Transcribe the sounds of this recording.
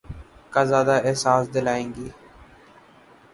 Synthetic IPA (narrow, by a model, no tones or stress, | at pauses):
kaːzaːd̪aɛɦsaːsd̪ɪlaːẽːŋɡiː